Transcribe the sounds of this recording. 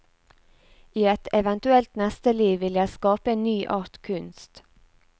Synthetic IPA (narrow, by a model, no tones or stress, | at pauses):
iːɛt̪ɛʋɛnt̪ʉɛlt̪nɛst̪əliːʋɪljæɪskɑːpəeːnnyːʔɑːɾt̪kʰʉnst̪